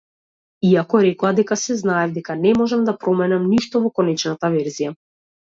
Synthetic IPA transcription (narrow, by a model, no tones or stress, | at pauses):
iakɔɾɛklˠad̪ɛkasɛznaɛvd̪ɛkanɛmɔʒɛmd̪apɾɔmɛnɛmniʃt̪ɔvɔkɔnɛt͡ʃnat̪avɛɾzija